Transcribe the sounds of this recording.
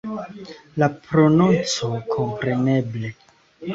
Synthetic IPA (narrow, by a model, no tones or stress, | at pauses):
lapɾo̞nunt͡so̞kʰo̞mpɾe̞ne̞ble̞